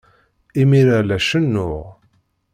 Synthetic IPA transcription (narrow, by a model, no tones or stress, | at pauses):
imiɾalæʃənːʊʁ